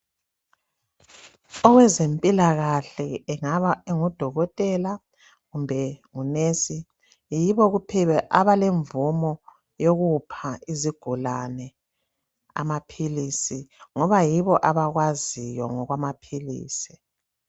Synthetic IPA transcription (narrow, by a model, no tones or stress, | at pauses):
ɔɣwɛzempʼilaɣaɬɛɛŋaβaeŋud̥ʱɔɣɔtʼɛla | ɣumbʱɛŋunesi | jiβɔɣupʰɛβɛʔaβaleɱvumɔ | joɣupʰaiziɡ̥ʱulanɛ | a̰mapʰilisiŋɔβajiβɔʔaβaɣwazijɔŋɔɣwamapʰilḭːsi̥